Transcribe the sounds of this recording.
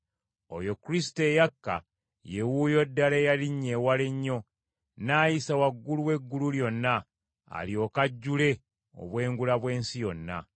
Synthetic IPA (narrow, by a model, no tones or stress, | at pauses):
o̞̰jo̞kuɾisi̥te̞jakːa̰ | jewujo̞dːalejaliɲːe̞waleɲːo̞ | naːjisawaɡːuluwe̞ɡːululjo̞nːa | a̰lio̞kaɟːule̞ | o̞̰βwe̞ːŋɡulaβwe̞ːnsijo̞nːa̰